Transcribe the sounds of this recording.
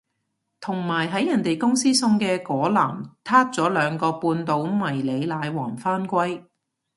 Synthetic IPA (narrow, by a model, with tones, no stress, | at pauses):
t̪ʰʊ˨˩ŋmaː˨˩jɦɐ˨˥jːɐ˨˩nt̪e˨jkʊ˥ŋsiː˥sʊ˧ŋkɛː˧kɔː˨˥la̰ː˨˩mt̪ʰaː˥t̚t͡sɔː˨˥lœː˨˧ŋkɔː˧puː˧nt̪o˨˧wmɐ˨˩jle˨˧jlaː˨˧jwɔː˨˩ŋfaː˥nkʷɐ˥j